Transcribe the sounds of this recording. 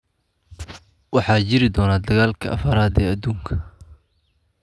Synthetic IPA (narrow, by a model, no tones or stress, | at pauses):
wɑħɑːt͡ʃɪɾɪd̪ɔːnaːd̪ɐɣaːlkʰɐʔɐ̰fɐɾaːd̪ɛːɐd̪uːŋkʰɐ